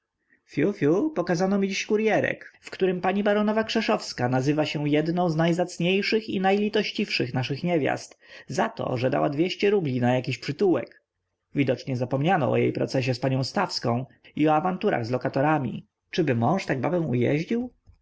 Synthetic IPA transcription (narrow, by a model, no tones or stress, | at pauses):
fʲjufʲjupɔkazanɔmʲid͡ʑiɕkuɾjɛɾɛ̰kfkt̪uɾɘmpaɲibaɾɔnɔvakʂɛʂɔfskanazɘvaɕɛ̃jɛd̪nɔ̃w̃znajzat̪sɲejʂɘxinajlʲit̪ɔɕt͡ɕifʂɘxnaʂɘxɲɛvʲja̰st̪zat̪ɔ̰ʐɛd̪a̰wad̪vʲjeɕt͡ɕɛɾublʲinajakʲiɕpʂɘt̪uwɛ̰k | vʲid̪ɔt͡ʂɲɛzapɔmɲanɔ̰ɔ̰jḛjpɾɔ̰t̪sɛɕ̬ɛspaɲɔ̃w̃st̪afskɔ̃w̃ | iɔavant̪uɾa̰ɣzlɔkat̪ɔɾamʲḭ | t͡ʂɘbɘmɔ̃w̃ʂt̪aɡ̚ba̰bɛ̃w̃ṵjɛ̰ʑd͡ʑiw